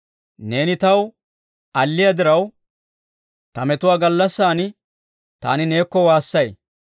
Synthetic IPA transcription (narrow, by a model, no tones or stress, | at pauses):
ne̞ːnɪt̪ɐw | ɐlːɪjɐd̪ɪɾɐw | t̪ɐmɛt̪ʊwaːɡɐlːɐsːaːnɪ | t̪a̰ːnɪne̞ːkːɔwaːsːɐj